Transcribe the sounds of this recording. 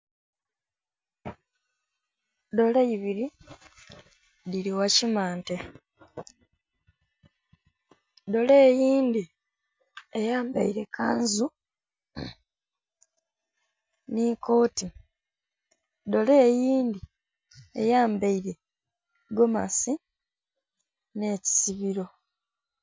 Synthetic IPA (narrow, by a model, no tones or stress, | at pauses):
do̞lejiβiɾi | diɾiwacimaːnte | do̞le̞ːjiːndi | ejaːmba̰iɾe̞kaːnzu | niko̞ːti | do̞le̞ːjiːnd̪i | ḛjaːmbaiɾe̞ | ɡo̞ma̰si | ne̞ːci̥siβiɾo̞